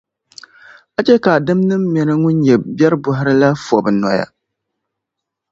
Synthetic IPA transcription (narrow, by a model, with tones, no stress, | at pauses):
a˦t͡ʃɛ˦ka˨dɨ˦mnɨ˦mːɛ˦nɨ˦ŋʊ˦n˦ɲɛ˨bɛ˦ɾbʊ˦ɦɪ˦ɾɨ˦la˦fɔ˨bɨ˨nɔ˨ja̰˨